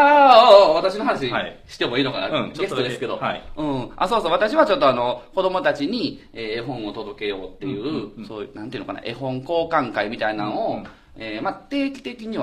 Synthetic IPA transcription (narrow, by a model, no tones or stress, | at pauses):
aβat̪aɕino̞ɦanaɕiɕi̥t̪e̞mo̞iːno̞ka̰na̰ɡest̪od̪esɨ̥ked̪o̞̰ɯ̟̃ːa̰so̞ːsoːβat̪aɕiβat͡ɕo̞t̪ːo̞ano̞ko̞d̪o̞mo̞t̪at͡ɕiɲ̟i | eːeɦõ̞ɰ̃o̞t̪o̞d̪o̞ke̞jo̞ːt̪ːe̞jɯ̟ːsoːjɯ̰nã̰neiɯ̟nokana̰ʔe̞̰ɦõ̞ŋko̞ːkãŋkaimʲit̪ainanoo | eːmat̪e̞ːkʲi̥t̪e̞kʲiɲ̟iβa